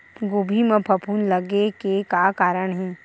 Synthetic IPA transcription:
ɡoːbʱimə̃pʰɐpʰuːnlɐɡekekakaːɾəɽ̃ɦɛ̃ː

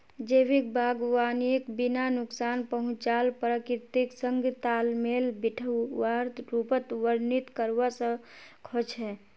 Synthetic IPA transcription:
d͡ʒəʋik̚bʱaːɡwaːniekbinanʊksaːnpəɦʊ̃t͡ʃaːlpɾəkɾɪt̪iksəŋɡʱt̪aːlmeːlbiʈʰəːaɾt̪ɾupət̪ʋəɾnit̪kəɾwasə̃kʰot͡ʃɦɛː

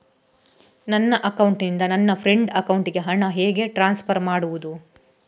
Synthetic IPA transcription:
nɐnːɐʔɐkɐwuɳʈnind̪ɐnɐnːɐpʰɾeɳɖɐkɐwuɳʈiɡe̞ɦɐɳɐɦeːɡe̞ʈɾaːnspʰɐɾmaːɽuʋud̪u

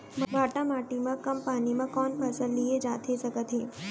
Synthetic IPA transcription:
mmaːʈamaːʈimãkəmpaːnimãkɔːnpʰəsəlːied͡ʒaːt̪ʰesəkət̪ɦe

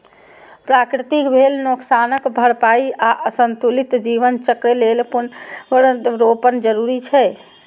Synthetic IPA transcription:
pɾakɾit̪ikbʱelnoksanəkbʱəɽpaiaʔəsənt̪ulit̪d͡ʒiʋənt͡ʃəkɾelelpun | ɾopənd͡ʒəɾuɾit͡ʃʰɛ

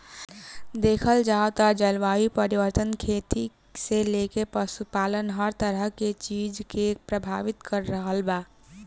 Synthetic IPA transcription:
d̪eːkʰəld͡ʒaot̪ad͡ʒəlʋaːipəɾiʋəɾt̪ənkʰet̪i | selekepəsupaːlənɦəɾt̪əɾəɦket͡ʃid͡ʒkepɾəbʱaːʋit̪kəɾːəɦəlbaː

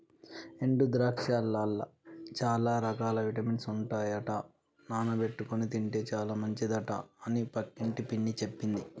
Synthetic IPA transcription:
eɳɖud̪ɾaːkʂaːlːaːlːɐ̰t͡ʃaːlaːɾɐkaːlɐʋiʈɐminsuɳʈaːjɐʈɐ | naːnɐpe̞ʈːukonit̪̬iɳʈe̞ːt͡ʃaːlaːmɐɲt͡ʃid̪ɐʈɐ̰ɐnipɐkːiɳʈipiɳːit͡ʃepːind̪i

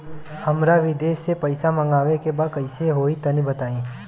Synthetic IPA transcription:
hɐmɾaʋɪd̪eːʃepɐɪsamɐ̃ŋɡaːʋekebaːd̪̚kɐɪseɦoːit̪ɐnibɐt̪aːĩː

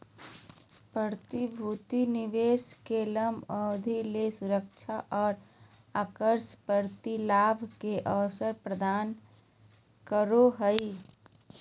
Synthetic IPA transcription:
pɾəɾt̪ibʱuːt̪inɪʋeːskeləməd̪ʱilesʊɾək̚t͡ʃʰaʔɔːɾ | aːkəɾspəɾt̪ilaːbʱkeʔəʋsəɾpɾəd̪aːn | kəɾoɦəi

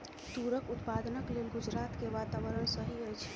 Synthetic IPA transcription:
t̪uɾəkut̪pad̪nəklelɡud͡ʒɾat̪keʋat̪aʋəɾəɽsəɦiəjt͡ʃʰɛ̥

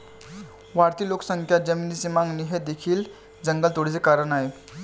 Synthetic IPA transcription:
ʋaɾt̪iloksə̃ŋkʰjad͡zəminisimãŋɡniɦed̪ekʰiːl | d͡zəŋɡəlt̪oɽ̤it͡sekaɾənaɦe

